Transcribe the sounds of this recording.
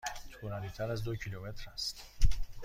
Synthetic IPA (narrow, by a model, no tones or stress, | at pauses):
t̪ʰunalit̪ʰad̪azd̪okʰilomet̪ɾast̪